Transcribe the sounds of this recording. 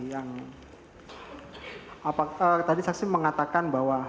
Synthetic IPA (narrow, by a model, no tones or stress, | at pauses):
jaŋ | apaət̪adisaksiməŋat̪akanbaɦwa